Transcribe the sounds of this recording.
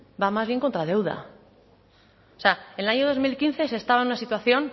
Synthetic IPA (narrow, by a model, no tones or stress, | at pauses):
bamazβ̞je̞ŋko̞nt̪ɾað̞e̞wð̞a̰ | seaenelaɲo̞ð̞o̞zmilkinθe̞sest̪aβaenunasit̪waθjo̞n